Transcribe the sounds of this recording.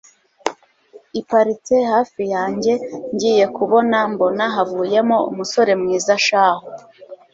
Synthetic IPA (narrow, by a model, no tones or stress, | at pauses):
ipaɾitehaːfijaːɲɟe̞ɲɟije̞kuβo̞nambo̞naɦavuːje̞mo̞ṵmuso̞ɾe̞mŋiːzaʃaːho